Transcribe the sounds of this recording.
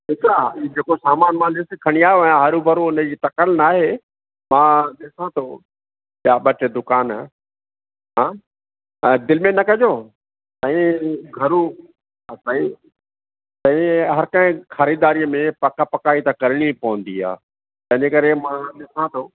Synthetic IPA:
ɦɪt̪ɾad͡ʑeːkosaːmaːnmãnɪskʰɐɽ̃iaːɦeɛ̃ɦɐɾubʱɐɾuʊnəd͡ʑiːt̪ɐkəlnaːɦe | mãɗɪsãt̪ʰo | ɓjaɓɐʈd̪ʊkaːn | ɦãː | d̪ɪlmẽnɐkɐd͡ʑoː | t̪ɐ̃ĩɡʱɐɾũ | saːĩ | t̪ɐ̃ĩɦɐɾkɐ̃ɦɪ̃xɐɾiːd̪aːɾijəmẽpɐkapɐkaːit̪akɐɾɪɽ̃ipɐʋə̃nd̪ia̰ː | t̪ɐ̃ɦɪ̃ɲd͡ʑekɐɾemãɗɪsãt̪ʰoː

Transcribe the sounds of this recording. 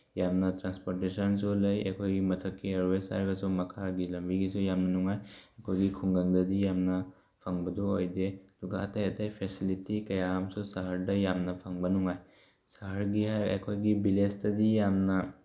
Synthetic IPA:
jamnatɾanspɔɾtesəns̬ɔləjḛkʰojɡimɐt̪ʰəkkːiɐɾwesa̰ɾɡasɔmɐkʰaɡilɐmbiɡisɔjamnanuŋajekʰojɡikʰuŋɡaŋd̪ad̪ijamna | pʰaŋbəd̪uojd̪et̪uɡa̰ːtajɐt̪ajpʰesilitikɐjamsɔsaɦəɾdɐjamnapʰaŋbanuŋaj | saɦəɾɡiɦaḛkʰojɡibilestɐd̪ijamna

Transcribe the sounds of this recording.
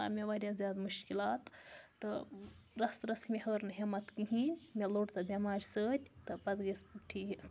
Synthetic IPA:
a̰ːmʲeʋɐɾʲjazʲjaːd̪muʃkilaːt̪ːɨɾɐsɾɐsmʲihəːɾnɨɦimɐt̪kiɦiːnʲmʲeloːʈt̪ɐbʲimaːɾʲsəːt̪ʲt̪ɨpɐd̪ɡispuʈʰːiː

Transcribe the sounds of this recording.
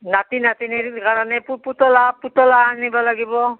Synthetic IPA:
natinatinikaɹɔnɛpuputɔlaputɔlaanibɔlaɡibɔ

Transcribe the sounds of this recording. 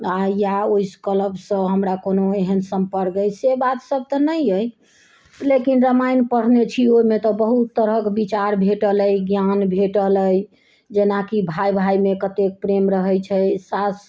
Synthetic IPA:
ajaoiskələbsə̃ɦəmɾakonoeɦənsəmpəɾkəjsebat̪səb̚ʱt̪ɔnəjəj | lekinɾəmajnpəɽ̤net͡ʃʰioimet̪ɔbəɦut̪ːəɾəkbit͡ʃaɾbʱeʈələjɡjanbʱeʈələj | d͡ʒenakibʱajbʱajmekət̪ek̚pɾemɾəɦɛjt͡ʃʰɛsas

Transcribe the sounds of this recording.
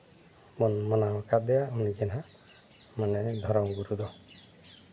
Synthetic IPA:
mɔnmɔnaɦɔkad̪ɛjaunid͡ʒɛnɦa | maned̪ʱɔɾɔmɡuɾud̪ɔ

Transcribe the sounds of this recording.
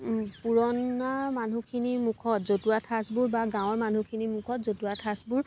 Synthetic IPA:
puɹɔnaɹmanukʰinimukʰɔtzotuatʰasbʊɹbaɡãw̃ɔɹman̤ʱukʰinimukʰɔtzotuwatʰasbʊɹ

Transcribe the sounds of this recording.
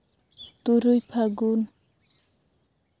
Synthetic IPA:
t̪uɾujpʰaɡun

